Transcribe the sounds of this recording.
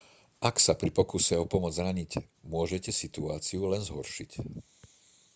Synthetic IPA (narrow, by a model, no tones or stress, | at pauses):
ʔaksapɾipɔkusɛɔpɔmʊɔd͡zɾaɲic | mʊɔʒɛcɛsit̪uaːt͡siulɛnzɦɔɾʃic